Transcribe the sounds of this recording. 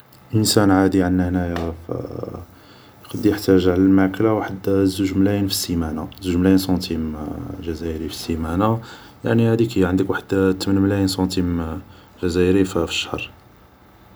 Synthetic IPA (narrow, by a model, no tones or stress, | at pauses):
ʔənsænʕad̪iʕənːæhnæjaf | jqɑd̪ːijəħt̪ːæʒəʕləlmaʕklawaħəd̪zuʒmlæjnfi̥sːimænazuʒmlæjənsɑ̃t̪imʒæzæjɾifi̥sːimæna | ja̰ʕnihæd̪ikæjʕənd̪əkwaħəd̪t̪ːmənmlæjənsˤɑ̃t̪im | ʒæzæjɾiffə̥ʃːḁhɾˤ